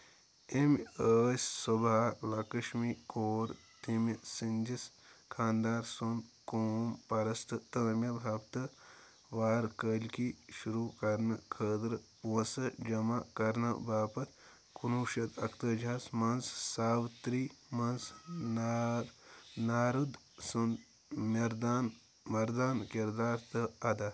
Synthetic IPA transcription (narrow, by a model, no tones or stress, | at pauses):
eməːsʲsobʱaːlɐkɐʃmikoːɾt̪imsinʲd͡ʒis | kʰãːnd̪aːɾsonkoːmpɐɾɐst̪ʰɨt̪əːmʲjɐbʱaːbt̪ɐ | ʋaːɾkəlʲkiʃuɾuːkɐɾnɐkʰəːd̪ɾposɐd͡ʒɐmakɐɾnɐ̰baːpɐt̪ | kunuːʃɐt̪ʰɐkt̪ɐd͡ʒʱaːsmɐnssaːʋt̪ɾiːmɐnsn | naːɾud̪ | sund̪ | mɐɾd̪aːn | ʋɐɾd̪aːnkiɾd̪aːɾt̪ɐɐd̪aː